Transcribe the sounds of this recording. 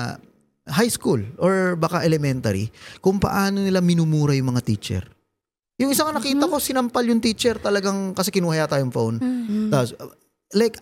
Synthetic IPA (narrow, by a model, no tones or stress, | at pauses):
hajskulʔoɹbaːkaʔɛlɛmɛnt̪ɐɾḭkʊŋpɐ̰ʔaːnonɪlamɪnuːmuːɾɐjʊŋmɐŋat̪iːt͡ʃɛ̰ɾ | jʊŋʔɪsaŋɐnɐkiːt̪ɐko̞sɪnɐmpɐljʊŋt̪iːt͡ʃɛɾt̪ɐlɐɡaŋkɐsɛkɪnuhɐjat̪aːjoŋfownt̪apos | lajk